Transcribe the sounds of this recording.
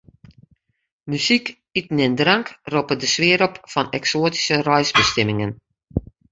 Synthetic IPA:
mysik | itn̩ɪndraŋkropədəsʋɪːəɾɔpfɔnɛksoːti̥sərɔjsbəstɪmɪŋən

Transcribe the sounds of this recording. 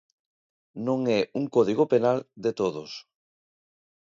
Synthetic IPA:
nõŋɛuŋkɔð̞iɣopenald̪et̪oðos

